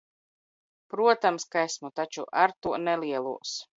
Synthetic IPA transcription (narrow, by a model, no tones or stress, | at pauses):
pɾuɔt̪amskaesmut̪at͡ʃuʔaɾt̪uɔnɛliɛlˠuɔs